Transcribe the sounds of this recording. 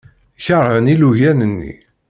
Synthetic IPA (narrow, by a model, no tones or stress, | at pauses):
çəɾˤhəniluʝænənːḭ